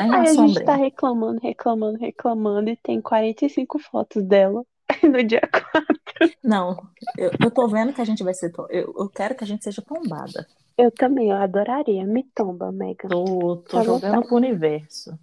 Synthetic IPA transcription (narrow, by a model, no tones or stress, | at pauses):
majaiaʒẽt͡ʃɪt̪aheklɐ̃mɐ̃nd̪ʊheklɐ̃mɐ̃nd̪ʊheklɐmɐ̃nd̪ʊɪt̪ẽj̃kwaɾẽnt̪ɐjsĩŋkʊfɔ̰t̪ʊzd̪ɛlɐ | nʊd͡ʒiɐkʰwat̪ɾʊnɐ̃w̃ḛwewt̪ovẽnd̪ʊkɪɐʒẽnt͡ʃɪvajseɾt̪õḛwewkɛɾʊkɪɐʒẽnt͡ʃɪ̥seʒɐt̪õba̰d̪ɐ̰ | ewt̪ɐ̃mbẽj̃ewad̪oɾaɾiɐmɪt̪õbɐ̰mɛ̰ɡɐot̪oavõṽd̪ʊpɾʊunivɛɾsʊ